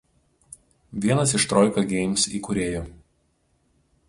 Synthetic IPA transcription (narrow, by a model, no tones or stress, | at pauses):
ʋʲiɛnɐsɪʃt̪ɾɔˑɪkɐɡʲɛɪmsiːkʊɾʲeːjo